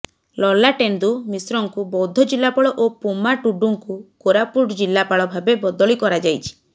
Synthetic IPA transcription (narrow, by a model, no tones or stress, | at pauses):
lɔlaʈend̪umisɾɔŋkubɔwd̪ʱɔd͡ʒilːapɔɭɔʔopumaʈuɖuŋkukoɾapuʈd͡ʒilːapaɭɔbʱabebɔd̪ɔɭikɔɾad͡ʒajt͡ʃʰi̥